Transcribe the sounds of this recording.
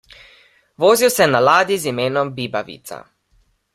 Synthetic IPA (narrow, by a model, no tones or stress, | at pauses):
ʋoːziwsɛnalaːd̪izimeːnɔmbiːbaʋḭːt̪sa̰